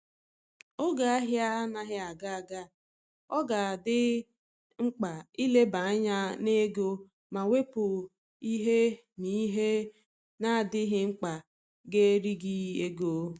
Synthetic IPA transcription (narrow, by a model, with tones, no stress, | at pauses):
ʊ˦ɡa˨a˦ɦja˦a˦na˦ɦɪ˦a˨ɡa˦a˨ɡa˦ | ɔ˦ɡa˨a˨dɪ˦ | ŋ͡m̩˦k͡pa˨i˦le˦ba˨a˦ɲa˦ne˦ɡo˦ | ma˨we˦pʊ˨ | i˦ɦe˦ | ni˦ɦe˦ | na˦a˨dɪ˦ɦɪ˦ŋ͡m̩˦k͡pa˨ | ɡe˦ɾi˦ɡi˦e˦ɡo˦